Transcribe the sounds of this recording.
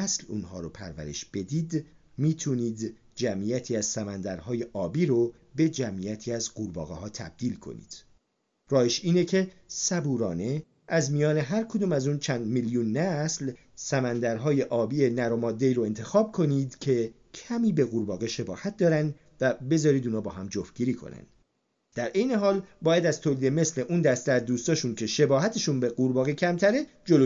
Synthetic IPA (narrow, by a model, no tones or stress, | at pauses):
æslṵːnɦɒ̰ːɾopʰæ̰ɾvæ̰ɾe̞̰ʃb̥e̞d̪iːd̪ | miːt̪ʰuniːd̪ | d͡ʒæmʔijæt̪ʰiːæzsæmænd̪æɾɦɒːje̞ʔɒːbiːɾo | be̞d͡ʒæmʔijæt̪ʰiːæzɢuɾbɒ̰ːɣḛɦɒːt̪ʰæ̰b̚d̪iːlkʰo̞̰nḭːd̪̥ | rɒːjeʃiːnecʰe̞sæbuːɾɒːne̞ | æzmijɒːne̞ɦæɾkʰod̪uːmæzuːnt͡ʃʰænd̪miljuːnːæsl | sæmænd̪æɾɦɒːje̞ʔɒːbiːe̞næɾomɒːd̪ːe̞iːɾoe̞nt̪ʰe̞xɒːb̚kʰo̞niːd̪cʰe̞ | cʰæmiːbe̞ɣuɾbɒːɣeʃe̞bɒ̰ːhæt̪̚ʰd̪ɒːɾænd̪ | væbe̞zɒːɾiːd̪uːnɒːbɒ̰ːɦæmd͡ʒofɟiːɾiːkʰo̰næ̰nd̪̥ | d̪æɾʔe̞jne̞ɦɒːlbɒːjæd̪æzt̪ʰoliːd̪e̞me̞sle̞ʔuːnd̪æst̪æɾd̪uːst̪ɒːʃuncʰe̞ʃe̞bɒːɦæt̪ʰe̞ʃunbe̞ɡuɾbɒːɣecʰæmt̪ʰæɾe̞ | d͡ʒolo